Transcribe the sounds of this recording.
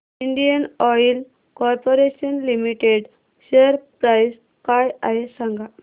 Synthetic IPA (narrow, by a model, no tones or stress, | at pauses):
iɳɖijənɔjl | kɔɾpoɾeɕənlimiʈeɖ | ɕeəɾpɾajs | kajaɦesãŋɡa